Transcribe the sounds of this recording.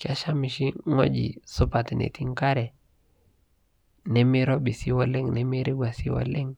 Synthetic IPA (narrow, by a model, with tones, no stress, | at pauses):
kɪ˦a˦ʃa˦mi˨ʃi˦ŋɔ̰˦d͡ʒḭ˨sʊ˦pa˨tnḛ˨ti˦ŋka˦ɾɛ˨ | nɛ˦mi˦ɾɔ˦bi˨si˦wɔ˦lɛ˦ŋnɛ˦mi˦ɾi˦ɡʷwa˨si˦wɔ̰˨lɛ˦ŋ